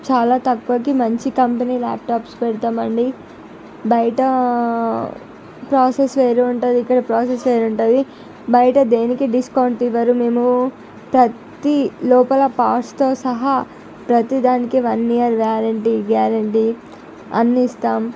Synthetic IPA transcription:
t͡ʃaːlaːt̪ɐkːuʋɐk̬imɐɲt͡ʃikɐmpɐniːla̰ːp̚ʈaːpspɛɽt̪aːmɐɳɖi | bɐjɐʈɐ | pɾaːsesʋeːɾuːɳʈud̪iːkːɐɽɐpɾoːsesʋeːɾuɳʈɐːd̪i | bɐjʈɐd̪e̞ːnikiɖiskɐːɳɖt̪iʋɐɾume̞ːmu | pɾɐ | t̪ilɔːpɐlɐpaːst̪o̞ːsɐɦɐ | pɾɐt̪id̪aːnikiʋɐnːijɐɾʋjaːɾɐɳʈiɡjaːɾɐɳʈi | ɐ̰nːist̪aːm

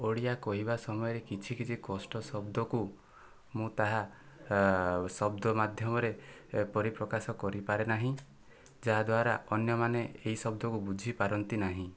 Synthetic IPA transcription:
oɽijakɔɦibasɔmɔjɔɾekit͡ʃʰikit͡ʃʰikɔsʈɔsɔbd̪ɔku | mũt̪aɦa | sɔbd̪ɔmad̪ʱjɔmɔɾepɔɾipɾɔkasɔkɔɾipaɾenaɦĩ | d͡ʒaɦad̪waɾa̰ʔɔnjɔmaneeisɔb̚d̪ɔkubud͡ʒʱipaɾɔnt̪inaɦĩ

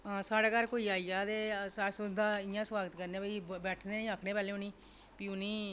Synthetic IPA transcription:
saːɽaːkəɾkoːiːaːiːaːt̪eːsasʊd̪ãːɪjãːsʋaːɡət̪kəɾneːbəiːbɛːʈʰneːnĩːaːkʰɽeːpɛːleːõnĩː | piːʊniː

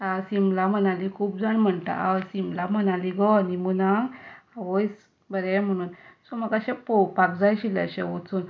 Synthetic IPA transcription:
asimlam̤ənalikʰuːp̚d͡zanm̤əɳt̪a̰ʔasimlam̤ənaliɡɔnimunaŋaʋojs | bəɾɛm̤əɽ̃uːnsɔməkaɕɛpɔwpakd͡zajɕila̰ɕɛʋot͡sun

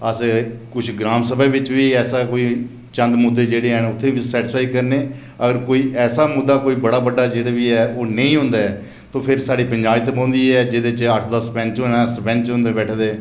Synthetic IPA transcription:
əskʊt͡ʃʰɡɾaːmsəbɛːʋɪt͡ʃʋiːɛːsaːkoːiː | t͡ʃə̃nd̪mʊd̪ːeːd͡ʒeːɽeːɦɛːnʊt̪ʰːẽːʋisɛːʈɪsaːiːkəɾneː | əɡəɾkoːiːʔɛːsaːmʊd̪ːaːkoːiːbəɽaːbəɖːaːd͡ʒeːɽaːʋiːɛːoːnə̃ĩːɦʊ̃nd̪aːɛː | t̪õːpʰɪɾsaːɖiːpəɲd͡ʒaːbiːt̪ebãːnd̪iːɛːd͡ʒɪd̪eːt͡ʃəʈʰd̪əspɛ̃nt͡ʃːnaspɛ̃nt͡ʃɦʊ̃nd̪eːbɛːʈʰd̪eː

